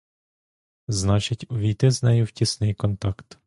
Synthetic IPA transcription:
znat͡ʃɪcʲuʋʲiːt̪ɛznɛjuwcʲɪsnɪjkɔnt̪akt̪

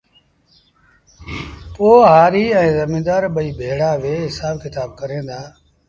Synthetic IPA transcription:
poːɦaːɾiːɛ̃ːzəmĩːd̪aːɾɓəiːbʱeːɽaːʋeːɦɪsaːbkɪt̪aːb̚kəɾẽːd̪aː

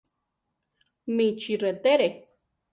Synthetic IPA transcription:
mĩt͡ʃiret̪eɾe

